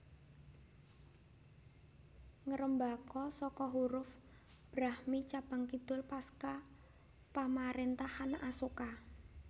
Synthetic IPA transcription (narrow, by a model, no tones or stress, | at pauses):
ŋəɾəmbakɔsɔkɔɦuɾʊf | b̥ɾahmit͡ʃab̥a̤ŋkid̪̥ʊlpaska | pamaɾent̪ahanasoka